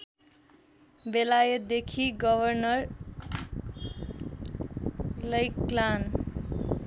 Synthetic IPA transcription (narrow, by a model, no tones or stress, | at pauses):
belajʌt̪̚d̪ekʰiɡʌbʱʌrnʌr | lʌjklan